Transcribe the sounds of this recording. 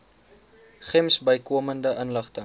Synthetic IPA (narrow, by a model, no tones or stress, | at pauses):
χɛmsbəjkuəməndəʔənləχtəŋ